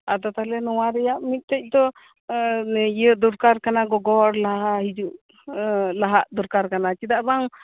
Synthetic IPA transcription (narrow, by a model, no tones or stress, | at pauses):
ad̪ɔt̪alɛnɔwaɾɛjaʔmit̪̚ˀt̪ɛc̚ˀd̪ɔ | jəd̪uɾkaɾkanaɡɔɡɔɾlaɦaɦid͡ʒuʔ | laɦaʔd̪uɾkaɾkanat͡ʃid̪aʔbaŋ